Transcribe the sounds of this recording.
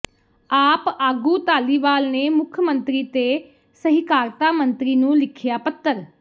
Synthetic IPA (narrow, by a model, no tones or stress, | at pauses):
aːpaːɡuːt̪aːliːʋaːlneːmʊkʰmə̃nt̪ɾiːt̪eː | səɦɪkaːɾt̪aːmənt̪ɾiːnũːlɪkʰjaːpət̪ːəɾ